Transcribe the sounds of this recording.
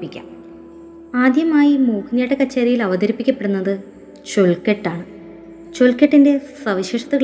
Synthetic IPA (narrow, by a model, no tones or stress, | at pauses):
pikʲːa̰ːm | aːd̪jɐmaːjimuːkʰinjaːʈːɐkɐt͡ɕːɐːɾijilɐʋɐd̪ɐɾipːikʲːɐpːeɽunːɐðɨ | t͡ɕoɭkeʈːaːɳɨ | t͡ɕoɭkeʈːinde̞sɐʋiɕeːʂɐt̪ːɐɣɐɭ